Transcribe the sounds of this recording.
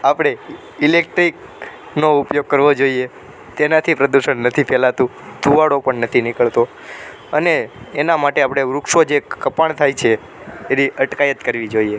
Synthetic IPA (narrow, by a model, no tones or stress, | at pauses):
apɽ̃e | ilek̚ʈɾik | noupjoɡ̚kːəɾʋod͡ʒoie | t̪enat̪ʰipɾəd̪uʃəɳnət̪ʰipʰɛlat̪ũ | d̪ʱuʋaɽopəɳnət̪ʰinɪkəɭt̪o | əneːnamaʈeapɽ̃eɾʊkʃod͡ʒekəpaɳ̃t̪ʰajt͡ʃʰeː | niʔəʈkajət̪kəɾʋid͡ʒoie